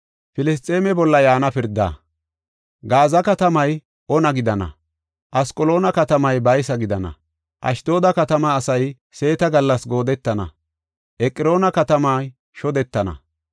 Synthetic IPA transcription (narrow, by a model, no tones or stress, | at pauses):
fɪlɪs̬t̪ʼːeːmɛbɔlːɐjaːnɐpɪɾd̪ːa̰ː | ɡaːzɐkɐt̪ɐmɐj | ʔɔnɐɡɪd̪ɐnɐ̰ | ʔɐskʼɔlo̞ːnɐkɐt̪ɐmɐjbɐjsɐɡɪd̪ɐnɐ̰ | ʔɐ̰ʃd̪o̞ːd̪ɐkɐt̪ɐmɐːsɐj | se̞ːt̪ɐɡɐlːɐsɡo̞ːd̪ɛt̪ːɐnɐ̰ | ʔɛkʼɪɾo̞ːnɐkɐt̪ɐma | ʃɔd̪ɛt̪ːɐnɐ̰